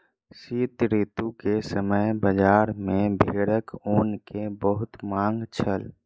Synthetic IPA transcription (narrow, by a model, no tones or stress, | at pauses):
siːt̪ɾit̪ukesəməjbəd͡ʒaːɾmẽbʱeːɽəkoːnkebəɦʊt̪maːŋɡt͡ʃʰəl